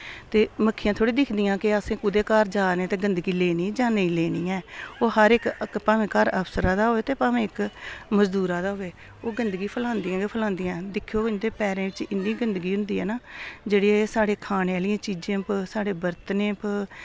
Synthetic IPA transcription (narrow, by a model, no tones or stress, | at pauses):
t̪eːməkʰːiːjãːt̪ʰoːɽiːd̪ɪkʰd̪ijãːkɪəsẽːkʊd̪eːkaːɾd͡ʒaːnẽːt̪eːɡənd̪əɡiːleːnĩːd͡ʒaːneĩleːniːɛːoːɦəɾɪkpaːʋẽːkəɾəpsəɾaːd̪aːɦoːeːt̪eːpaːʋẽːɪkməzd̪uːɾaːd̪aːɦoːeː | oːɡənd̪ɡiːpʰəlãːnd̪iãːɡepʰəlãːnd̪iːãːd̪ɪkʰːjoːɪnd̪eːpɛːɾẽːʋɪt͡ʃɪnːiːɡənd̪əɡiːɦʊ̃nd̪iːɛ̰ːnaːd͡ʒeːɽeːsaːɽeːkʰaːneːaːlɪjãːt͡ʃiːd͡ʒẽːpsaːɽeːbəɾt̪nẽːp